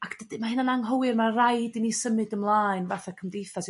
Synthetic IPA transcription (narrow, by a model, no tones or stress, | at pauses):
akʰd̥ədɨmahɪnanaŋɦɔwɨrmarajdinisəmɨdəmlˠaːɨnvaθakʰəmdejθas